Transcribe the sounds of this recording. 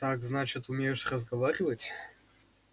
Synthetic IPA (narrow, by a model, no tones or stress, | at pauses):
t̪akznat͡ɕɪt̪ʊmʲejʂrəzɡɐvaɾʲɪvətʲ